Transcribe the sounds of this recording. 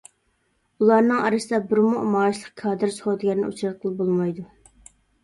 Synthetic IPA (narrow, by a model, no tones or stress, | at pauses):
ulˠɑɾnɨŋɑɾɨsɨd̪ɑbɪɾmuʔmɑːʃlˠəq̚kʰɑːd̪ɨɾsχod̪ɡʲæɾnɪ̰ut͡ʃʰɾɑt̪̚qʰəlˠbolˠmɑjd̪u